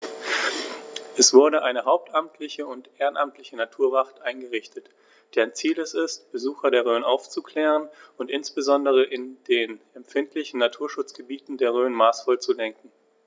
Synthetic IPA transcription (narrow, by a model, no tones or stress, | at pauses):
ʔɛsv̥ʊɐɾəʔaɪnəɦaʊp̚tʔamtʰlɪçəʊntʔeːʁənʔamtlɪçənatʰuːɐvaχtʔaɪnɡəʁɪçtət | d̥eːɐant͡siːlɛsɪstb̥əzuːxɐdeːɐʁ̞øːənʔaʊft͡sukl̥ɛːʁ̞ənʊntʔɪnsb̥əzɔndəʁ̞əʔɪndeːnɛmfɪntʰlɪçn̩natʰuːɐʃʊt͡sɡ̥əbiːtn̩deːɐʁ̞øːənmaːsfɔlt͡sulɛŋkŋ̩